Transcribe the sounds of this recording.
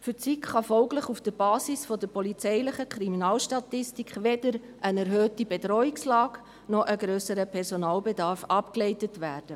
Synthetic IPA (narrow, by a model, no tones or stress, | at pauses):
fʏt͡sikχɑfɔʊɡlɪχufd̥əɾb̥ɑːsisfɔdəɾpɔlit͡sɛɪlɪχəkʰɾiminɑːlʃtɑtɪstikχʋedəɾ | ʔənɛɾɦøːtibedɾɔːikslɑːk | nɔʔəɡɾøːsəɾəpʰɛɾsonɑːlbedɑːɾfɑpklɛɪtətʋæːɾd̥ə